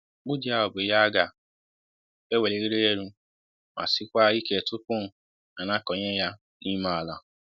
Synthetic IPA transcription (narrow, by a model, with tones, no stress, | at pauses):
ɡ͡bʊ˦di˦a˦ɔ˨bʊ˨˦ja˦a˦ɡa˨ | e˦we˨le˦ɾe˦ɾe˦e˦˨ɾũ˦ | ma̰˨sɪ˦kʷa˦i˦ke˨tʊ˦pʊ˦˨ | na˨na˦kɔ˨ɲe˦ja˦ | ni˦ma˦a˨la˨